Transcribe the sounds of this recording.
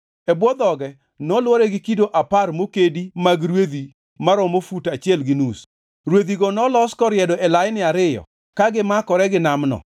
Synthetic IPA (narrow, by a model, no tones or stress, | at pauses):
ɛbwɔd̪ɔɡɛ | nɔlwoɾɛɡɪkidoʔaparmokedimaɡɾwed̪i | maɾɔmofutat͡ʃɪɛlɡɪnus | ɾwed̪iɡɔnɔlɔskɔɾjɛdɔʔɛlajnɪaɾɪjɔ̰ | kaɡɪmakɔɾɛɡɪnamnɔ̰